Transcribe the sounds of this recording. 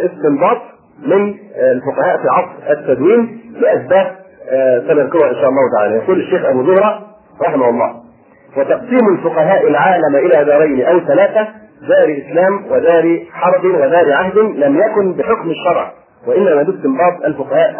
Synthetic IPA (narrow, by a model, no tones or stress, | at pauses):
ɪst̪ɪmbɑːt̪ˤ | mɪnlfʊqɑhaːʔfiːʕɑsˤfʔat̪ːæd̪wiːmlɪʔæθbaːb̚ | sɑlɑlqɪwɑʔɪnʃaːʔɑlˤːɑːhʊt̪aʕa̰ːlajɑquːlaʃːeːxʔabuːzʊhɾˤɑː | ɾˤɑħɪmahʊlˤːɑ̰ː | wɑt̪ɑʔsˤiːmalfʊqɑɦaːʔɪlʕaːlamʔɪlaːd̪ɑːɾˤɑjnʔawθælaːθæd̪ɑːɾʔɪslaːmwɪd̪ɑːɾiħɑɾˤb̪ɪwad̪ɑːɾʕahd̪ɪnlæmjakʊnbɪħʊkmaʃːɑɾˤʕ | waʔɪnːæmaːbɪst̪ɪmbɑːt̪ˤʔalfʊqɑhaːʔ